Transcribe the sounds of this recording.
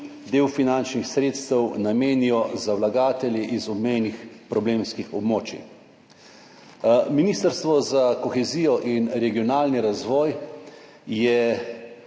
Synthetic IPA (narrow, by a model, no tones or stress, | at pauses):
d̪eːwfinant͡ʃnixsɾeːt̪st̪ɛwnameːniɔzawlaɡaːt̪ɛljiʔizɔbmɛjnixpɾɔbleːmskixɔbmoːt͡ʃḭ | miniːst̪əɾst̪ʋɔzakɔxɛziːjɔʔinɾɛɡijɔnaːlniɾazʋɔːj | jɛ